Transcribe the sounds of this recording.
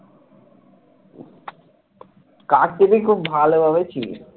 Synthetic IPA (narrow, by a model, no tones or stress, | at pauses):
kaʈ̚ʈibikʰubbʱalobabet͡ɕʰḭ